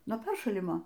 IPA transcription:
nuɔ ˈpʲɛrʃɐlʲɪmoː

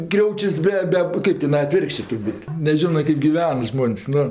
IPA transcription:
ˈkrʲɛʊt͡ʃʲʊs ˈbʲɛ ˈbʲɛ ˈkɜp tʲɪˈnɐɪ ɐˈtʲʋʲɪrkʃʲt͡ʃʲeː tʊrˈbuːtʲ nʲɛˈʒʲɪnoː ˈkɜp ɡʲɪˈʋʲɛn ˈʒmoːnʲsʲ ˈnʊ

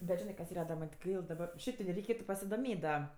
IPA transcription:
bʲɛt ˈʒʲɪnɜ kɐs ˈiːrɐ dɐ ˈmɐnʲ tʲɪ ˈɡɐɪlˠ dɐˈbɐr ˈʃʲɛɪp tʲɪ dɐ rʲɛɪˈkʲeːtʊ pɐsʲɪdoːˈmʲeːtʲ dɐ

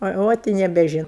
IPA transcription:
ɐ ˈoːt ɪ nʲɛbʲɛˈʒʲɪnʊ

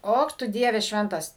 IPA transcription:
ˈoːk ˈtʊ ˈdʲiɛʋʲɛ ˈʃʲʋʲɛntɐs

